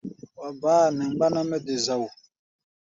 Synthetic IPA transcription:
wa˨baː˦˨nɛ˨ŋ˦ba˦na˦mɛ˦de˨za˨wu˨

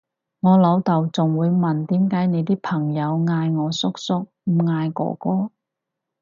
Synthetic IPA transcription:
ŋɔː˨˧lɐ˨˧wt̪ɐ˨wt͡sʊ˨ŋwuː˨˧jmɐ˨˩nt̪iː˨˥mkaː˨˥jne˨˧jt̪̬iː˥pʰɐ˨˩ŋjɐ˨˧wŋaː˧jŋɔː˨˧sʊ˥k̚sʊ˥k̚m̩˨˧ŋaː˧jkɔ̰ː˨˩kɔː˥

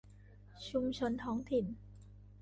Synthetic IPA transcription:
t͡ɕʰu˧mt͡ɕʰɤ˧nt̪ʰɔː˦˥ŋt̪ʰi˨˩n

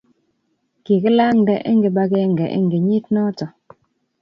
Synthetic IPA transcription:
ki˨ke˦la˦ŋ̩˨dɛ˨ʔḛ˦ŋɡe˨ba˦kɛ˦˨ŋ˨ɡɛ˨ʔḛ˦ŋ˨ɡe˨ɲi˦t̚nɔ˦tɔ˨

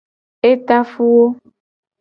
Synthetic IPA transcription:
e˦t̪a˦fu˦wo˦

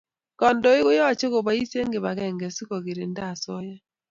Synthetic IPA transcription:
kɔ˨ndɔ˨˦e˦ɣo˦jɔ˦a˨t͡ʃe˦ɣo˨βa˨i˦se˦ŋɡe˨βa˨ɣɛ˦˨ŋɡɛ˨si˦kɔ˨ɣe˨ɾe˨nda˦˨sɔ˦jɛ˦

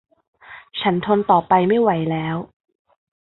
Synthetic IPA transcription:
t͡ɕʰa˦˥nt̪ʰo˧nt̪ɔː˨˩pa˧jma˥˩jwa˩˦jlɛː˦˥w

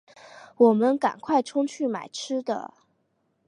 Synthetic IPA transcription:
wɔ˨˩mə˦nka̰˨˩nkʰwa˥˩ɪʈ͡ʂʰʊ˥ŋt͡ɕʰy˥˩ma̰˨˩ɪʈ͡ʂʰɻɻ̩˥d̪ə̰˨

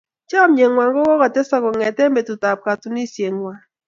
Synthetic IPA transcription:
t͡ʃɔ˦mje˨ŋwa˨ŋɡɔ˦wɔ˦ɣɔ˨tɛ˦sɔ˦kɔ˨ŋɛ˨tɛ˦m˦be˨tu˨ta˨p̚ka˨tu˨ni˦˨se˨ŋwa˨

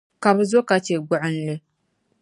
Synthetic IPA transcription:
ka˨bɨ˦zo˦ka˨t͡ʃe˨ɡʊ˦ʔʊ˦n˦lɨ˦

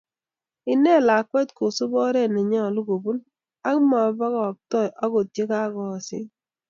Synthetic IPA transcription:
ɪ˦nɛ˦la˨kwɛ˦tko˨su˦bɔ˦ɾɛ˦nɛ˨ɲɔ˦˨lu˦ko˨bu˦n | a˦kma˨˦ba˦kɔ˨k̚tɔ˦˨ʔa˦ko˨tje˦ka˦kɔ˨sɪ̰˦

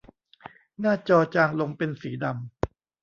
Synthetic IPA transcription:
naː˥˩t͡ɕɔː˧t͡ɕaː˧ŋlo˧ŋpe˧nsiː˩˦da˧m

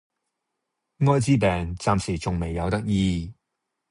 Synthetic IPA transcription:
ŋɔː˥jt͡siː˥pɛː˨ŋt͡saː˨msiː˨˩t͡sʊ˨ŋme˨jːɐ˨˧wt̪ɐ˥k̚jiː˧

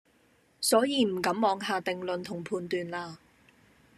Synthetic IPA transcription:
sɔː˨˥jiː˨˧m̩˨˩kɐ˨˥mmɔː˨˧˥ŋɦaː˨t̪ɪ˨ŋlɵ˨nt̪ʰʊ˨˩ŋpʰuː˧nt̪yː˨˧nlaː˧

